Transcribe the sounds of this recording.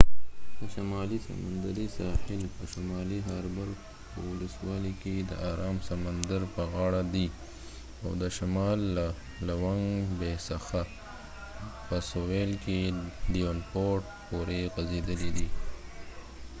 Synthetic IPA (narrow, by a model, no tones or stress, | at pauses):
d̪əʃamɑlisa̰ma̰nd̪əɾisɑhɪlpəʃamɑliɦaɾbaɾɡ | pəwʊləswɑliked̪ə̰ʔaɾɑmsamand̪aɾpəɣɑɽad̪i | awd̪əʃamɑl | lawaŋɡbesaxa | pəsowelkelijonpoɾʈ̚ | poɾeɣazed̪əlid̪i